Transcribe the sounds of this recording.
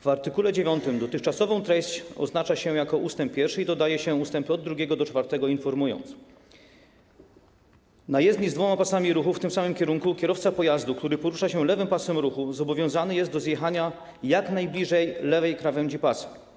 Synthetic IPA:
vaɾt̪ɘkulɛd͡ʑevʲjɔnt̪ɘmd̪ɔt̪ɘxt͡ʂasɔvɔ̃w̃t̪ɾɛɕt͡ɕɔ̰znat͡ʂaɕɛjakɔʔust̪ɛmp̚ːʲjɛɾfʂɘid̪ɔd̪ajɛɕɛust̪ɛmpɔd̪ːɾuɡʲɛɡɔd̪ɔt͡ʂfaɾt̪ɛɡɔinfɔɾmujɔ̰nt̪s | najɛzd̪ɲizd̪vɔmapasamʲiɾuxuft̪ɘmsamɘmkʲɛɾuŋkukʲjɛɾɔft̪sapɔjazd̪uk̚t̪uɾɘpɔɾuʂaɕɛlɛvɘmpasɛmɾuxuzɔbɔvʲjɔ̃w̃zanɘjɛst̪d̪ɔzʲjɛxaɲa | jaknajblʲiʐɛjlɛvɛjkɾavɛmd͡ʑipasɘ̥

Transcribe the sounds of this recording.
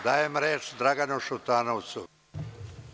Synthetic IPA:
d̪aːjemɾeːt͡ʃd̪ɾaɡanuʃut̪aːnowt̪su

